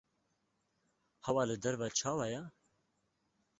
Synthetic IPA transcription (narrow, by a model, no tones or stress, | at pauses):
hɛwɑːlɨd̪ɛɾvat͡ʃʰɑːwɑjɛ